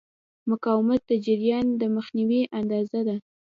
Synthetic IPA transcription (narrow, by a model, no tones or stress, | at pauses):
mʊkɑwɪmat̪̚d̪əd͡ʒɪɾijɑnd̪əməxniwiʔand̪ɑzad̪a